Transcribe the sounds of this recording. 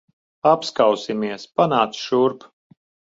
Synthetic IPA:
apskawsimiɛspanaːt̪sʃuɾp

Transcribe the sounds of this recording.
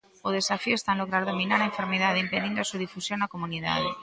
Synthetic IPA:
oð̞e̞safiost̪anloɣ̞ɾaɾðominaɾaẽɱfe̞ɾmeðaðeimpeðind̪oasuð̞ifusjonakomuniða̰ðe

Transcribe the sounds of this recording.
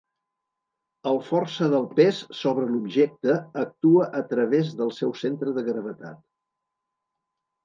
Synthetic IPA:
əlˠfɔrsəðəlˠpessoβɾəlubʒɛk̚t̪əːk̚t̪uəʔət̪ɾəβ̞ezðəlˠsɛwsent̪ɾəðəɣɾəβ̞ət̪a̰t̪

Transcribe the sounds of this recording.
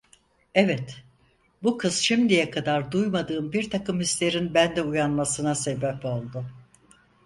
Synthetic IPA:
ɛvɛt̪ | bukʰɯz̥ʃimd̪ijɛkʰad̪aɾd̪ujmad̪ɯːmbiɾt̪ʰakɯmhislʲe̞ɾinbænd̪ɛujanmasɯnase̞bɛpo̞lˠd̪ʊ

